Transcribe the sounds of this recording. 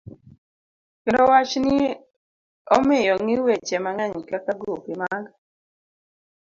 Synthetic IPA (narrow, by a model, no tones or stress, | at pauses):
kendɔwat͡ʃnɪ | ɔmɪjɔŋɪwet͡ʃɛmaŋɛɲkakaɡɾupimaɡ